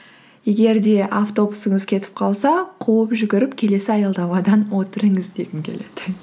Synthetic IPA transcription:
je̞ɡʲe̞ɾd̪e̞ʔaft̪o̞busəɴəzkʲʰe̞t̪ɪ̥p̚qʰɑlˠsɑqʰowəpʒʏɡʲɪɾɪpkʲʰe̞le̞sɪɑjɑlˠd̪ɑmɑd̪ɑnwo̞t̪əɾəɴəzd̪eɡʲɪŋkʲʰe̞le̞̰d̪̥ɪ

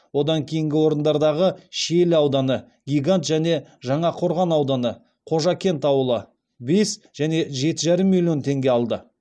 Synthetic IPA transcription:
wo̞d̪ɑŋkʲʰe̞jɪŋɡʲɪwo̞ɾənd̪ɑɾd̪ɑʁəʃelɑwd̪ɑnə | ɡʲijɡant̪ʒæn̪e̞ʒɑɴɑqʰo̞ɾʁɑnɑwd̪ɑnə | qʰo̞ʒɑkʲe̞nt̪ɑwəlˠə | be̞s | ʒ̥æne̞ʒe̞t̪ɪʒɑɾəmːilʲjo̞nt̪ʰe̞ŋɡʲe̞ɑlˠd̪ə

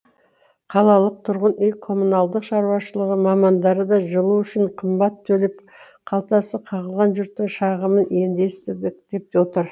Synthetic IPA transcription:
qʰɑlˠɑlˠəq̚t̪ʰʊɾʁənʏjkʰo̞munɑlˠd̪əqʃɑɾuwɑʃəlˠəʁəmɑmɑnd̪ɑɾəd̪ɑʒəlˠuʏʃɪɴqʰəmbɑt̪ʰːɵlɪp̚ | qʰɑlˠt̪ɑsəqʰɑʁəlˠʁɑnʒʏɾt̪ːɪŋʃɑʁəməne̞nd̪e̞st̪ɪɾd̪ɪkd̪̥e̞p̚t̪ewo̞t̪əɾ

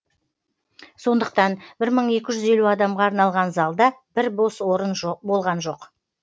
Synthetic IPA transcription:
so̞nd̪əq̚t̪ɑnbɪɾməɴe̞kʲɪʒʏze̞luɑd̪ɑmʁɑːɾnɑlˠʁɑnzɑlˠd̪ɑb̥ɪɾboswo̞ɾənbo̞lˠʁɑnʒo̞q

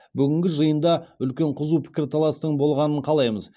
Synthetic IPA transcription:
bʏɡʲɪŋɡʲɪʒəjənd̪ɑʏlkʲe̞ɴqʰʊzuwpʰɪ̥kʲɪɾt̪ʰɑlˠɑst̪əɴbo̞lˠʁɑnəɴqʰɑlˠɑjməz

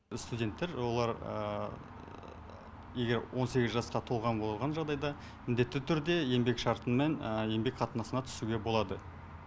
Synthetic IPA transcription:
st̪udʲe̞nt̪ːe̞ɾwo̞lˠɑɾə̰ | je̞ɡʲe̞ɾwʔo̞nse̞ɡʲɪzʒɑsqɑt̪ʰo̞lˠʁɑnbolˠəɾˠʁɑnʒɑʁd̪ɑjd̪ɑ | mɪnd̪e̞t̪ːɪt̪ʰʏɾd̪e̞je̞mbe̞kʃɑɾt̪ənme̞nje̞mbe̞kqʰɑt̪ənɑsənɑt̪ʰʏ̥suɡʲe̞bo̞lˠɑd̪ə

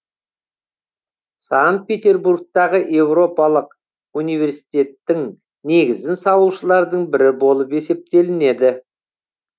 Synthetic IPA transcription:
saŋt̪̚pʲe̞t̪ʲe̞rbuɾk̚t̪ɑʁəʔe̞wɾo̞pɑlˠəq | unijvʲe̞ɾsi̥t̪e̞t̪ːɪŋ | ne̞ɡʲɪzɪnsɑwəlˠʃəlˠɑɾd̪əɴbɪɾɪbo̞lˠəpe̞se̞p̚t̪e̞lɪne̞d̪ɪ

